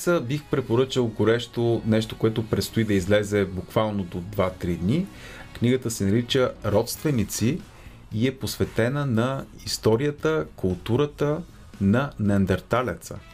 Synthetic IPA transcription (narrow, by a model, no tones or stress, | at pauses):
səbixpɾɛpoɾɤt͡ʃəlˠɡoɾɛʃt̪onɛʃt̪okoɛt̪opɾɛt̪st̪oid̪ɐizlɛzɛbukvalˠnod̪od̪vat̪ɾid̪ni | kniɡət̪əsɛnɐɾit͡ʃəɾɔt̪st̪vɛnit̪si | iɛposvɛt̪ɛnənɐist̪ɔɾijət̪əkʊlˠt̪uɾət̪ə | nɐnɛnd̪ɛɾt̪alɛt̪sə̰